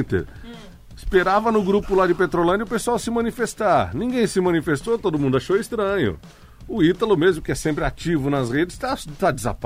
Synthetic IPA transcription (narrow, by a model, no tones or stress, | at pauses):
t̪ḛɾ | speɾavɐnʊɡɾupʊlad͡ʒɪpet̪ɾolɐ̃d͡ʒɐʊpesuawsɪmɐ̃nifest̪aɾnĩŋɡẽj̃sɪmɐ̃nifest̪owt̪od̪ʊmũnd̪ʊaʃowist̪ɾɐ̃ɲʊ̰ | ʊit̪ɐlʊmezmʊkɪɛsẽmpɾɪat͡ʃivʊnɐsʁed͡ʒɪst̪at̪ad͡ʒɪza̰p